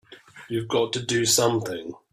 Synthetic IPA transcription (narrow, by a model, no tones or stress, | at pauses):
jɨvɡɒtʰədəsʌ̃mθɪ̃ŋ